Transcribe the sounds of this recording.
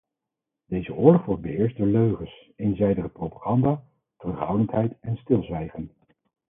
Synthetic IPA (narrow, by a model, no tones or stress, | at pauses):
dejzəʔʊːɹlɔχʋɔɹt̚bəɪːɹs̚dʊːɹløɥχəs | ejnzɛjdəχəprowpaχɑndaː | tərɵχɦʌwdəntɦɛjtɛnstɪlˠzʋɛjχən